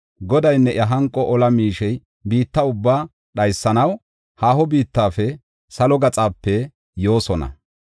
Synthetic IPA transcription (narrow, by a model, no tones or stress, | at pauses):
ɡɔd̪ɐjnːɛʔjɐɦɐŋkʼɔʔɔlɐmiːʃɛj | biːt̪ːɐʊbːaː | ɗɐjsːɐnɐw | haːhɔbiːt̪ːaːfɛ | sɐlɔɡɐt͡sʼaːpːɛ | jo̞ːsɔnɐ̰